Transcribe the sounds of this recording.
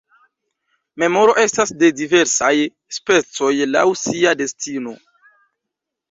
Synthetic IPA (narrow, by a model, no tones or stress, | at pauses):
me̞mo̞ɾo̞ʔe̞stasde̞dive̞ɾsaj | spe̞t͡so̞jla̰wsiade̞stino̞